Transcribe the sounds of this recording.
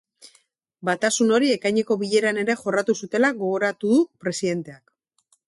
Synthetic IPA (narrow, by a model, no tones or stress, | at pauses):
bat̪asuno̞ɾie̞kajɲe̞ko̞βiʎe̞ɾane̞ɾe̞ʝo̞rat̪usut̪e̞laɣo̞ɣo̞ɾat̪uðupɾe̞siðe̞nt̪e̞ak